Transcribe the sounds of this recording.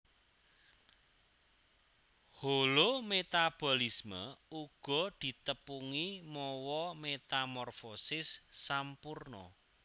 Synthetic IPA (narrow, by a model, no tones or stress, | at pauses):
holomet̪ab̥ɔ̤lismə̰uɡ̥ɔ̤d̪̥i̤t̪əpuŋimɔwɔmet̪amɔrfosɪsːampurnɔ̰